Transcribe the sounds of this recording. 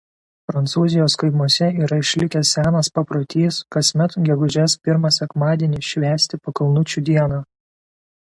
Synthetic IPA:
pɾɐnt̪suːzʲɪjoːskɐɪmuɔsʲɛiːɾɐɪʃʲlʲɪkʲɛsʲsʲæːnɐspɐpɾot̪ʲiːskɐsʲmʲɛt̪ɡʲɛɡʊʒʲɛspʲɪɾmɐsʲɛkmɑːd̪ʲiɛnʲɪʃʲʋʲæːsʲt̪ʲɪpɐkɐlˠnʊt͡ʃʲuːd̪ʲiɛnɑː

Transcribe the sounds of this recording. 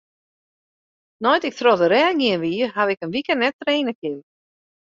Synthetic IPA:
nɔjtɪk̚trɔdəɾɛːɡiənʋiːəhaʋɪkənʋikənnɛtreːnəkɪn

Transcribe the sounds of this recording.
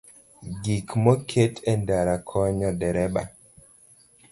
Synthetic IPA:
ɡikmɔkʰetʰɛndaɾakʰɔɲɔdɛɾɛba̰

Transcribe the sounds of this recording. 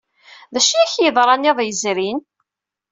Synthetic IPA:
ðæʃiæçjəðˤɾˤɑniðˤjəzɾin

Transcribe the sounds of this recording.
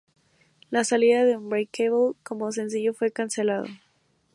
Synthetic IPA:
lasaliðaðeumbajkeβolko̞mos̬e̞ns̬iʝo̞fwe̞kanse̞lað̞o̰

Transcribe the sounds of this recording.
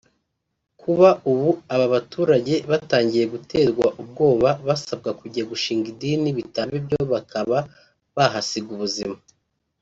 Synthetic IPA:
kʰuβauβuaβaβatuːɾaɟe̞βataːɲɟije̞ɡute̞ːɾɡwaʔub̚ɡo̞ːβaβasab̚ɡakuɟiaɡuʃiːŋɡidiniβitaβibjo̞βakʰaβa | βaɦasiɡuβuzima

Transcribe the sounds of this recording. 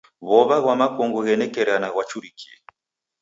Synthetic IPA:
βɔβaɣwamakɔŋɡɔɣɛnɛkɛɾanaɣwat͡ʃuɾikiɛ

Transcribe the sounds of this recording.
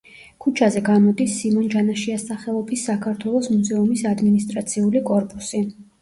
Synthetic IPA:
kʰut͡ʃʰazɛɡanɔd̪isːimɔnd͡ʒanaʃiasaχɛlˠɔbisːakʰaɾt̪ʰwɛlˠɔsmuzɛumisad̪minist̪ʼɾat̪sʰiulikʼɔɾpʼusi

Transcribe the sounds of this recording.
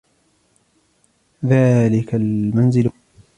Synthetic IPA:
ðaːlɪkalmanzɪl

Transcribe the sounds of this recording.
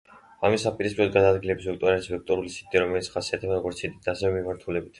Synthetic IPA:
amisapʼiɾis̬pʼiɾɔd̪ɡad̪aːd̪ɡilɛbisvɛkt̪ʼɔɾalisvɛk̚t̪ʼɔɾulisi̥t̪t̪ʼiɾɔmɛlit̪sʰχasiat̪ʰɛbaɾɔɡɔɾt̪sʰid̪id̪aːsɛvɛmimaɾt̪ʰulɛbit̪ʰ

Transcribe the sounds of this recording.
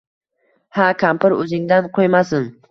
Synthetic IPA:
hakʰampɪɾɵzɪŋd̪anqʰojmasɪn

